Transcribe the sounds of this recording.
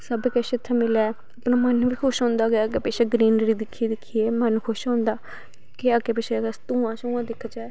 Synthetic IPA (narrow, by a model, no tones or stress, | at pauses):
səbkɛʃɪt̪ʰːamɪlaː | əpnaːmənʋiːkʰʊʃɦɔ̃ːnd̪aːkeəkeːpɛːʃeːɡɾiːnɾiːd̪ɪkʰːieːd̪ɪkʰːieːmənkʰʊʃɦõːnd̪aː | keaɡeːpɛːʃeɡast̪ũːãːt͡ʃũːãːd̪ɪkʰːd͡ʒaɛː